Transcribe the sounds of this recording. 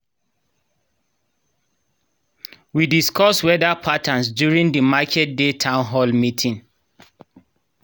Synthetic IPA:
widiskʰɔswɛdapʰatʰãnsdjuɹĩŋdəmakʰɛt̚detʰãʊ̃nɦɔlmitʰĩŋ

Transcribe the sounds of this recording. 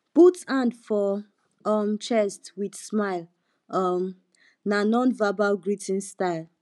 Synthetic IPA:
putãndfɔ | ɔmt͡ʃɛstwidsmaɪl | ɔm | nanɔ̃nvabaɡɹitĩnstaɪl

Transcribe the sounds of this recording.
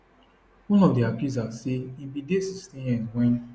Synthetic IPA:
ũnɔ̃deakizasiibidesisnĩjɛ̃ŋʷɛ̃ĩ

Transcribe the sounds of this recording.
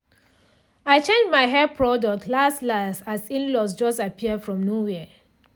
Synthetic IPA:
aɪt͡ʃẽnd͡ʒmaɪɦɛpʰɹɔdɔk̚tʰlastlastasĩnlɔs̬d͡ʒɔstapʰiədfɹɔ̃mnowɛə

